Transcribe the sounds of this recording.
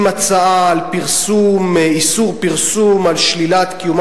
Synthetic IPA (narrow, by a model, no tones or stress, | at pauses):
mat͡saaːlpiʁsumisuʁpiʁsumalʃlilat̪kijum